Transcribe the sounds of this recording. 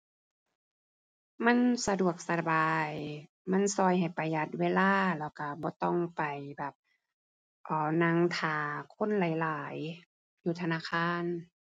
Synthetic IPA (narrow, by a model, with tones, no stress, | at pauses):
ma˧˥˨nsa˧du˨˩ək̚sa˧baː˨j | ma˧˥˨nsɔː˧˩jha˨˩jpa˨˩jla˧˦t̪̚weː˧˨laː˧˥˨lɛː˧˩wka˧˩bɔː˧˦t̪ɔ˧˩˨ŋpa˨˩jbɛː˨˩p̚ | ʔɔː˧˩na˧˥ŋt̪ʰaː˨˩kʰo˧˥˨nlaː˨˦jlaː˨˦j | juː˧t̪ʰa˧naː˧˥˨kʰaː˧˥˨n